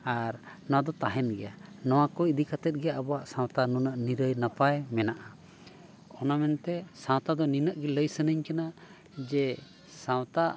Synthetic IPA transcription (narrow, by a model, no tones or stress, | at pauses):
aɾnɔ̃wad̪ɔt̪aɦɛnɡɛjanɔwakɔid̪ikat̪ɛt̪̚ɡɛjaʔabɔaʔsãwt̪anunəʔniɾəjnapajmɛnaʔa | ɔnamɛnt̪ɛsãw̃t̪ad̪ɔninəʔɡɛləjsənəɲkana | d͡ʒɛ | sãwt̪a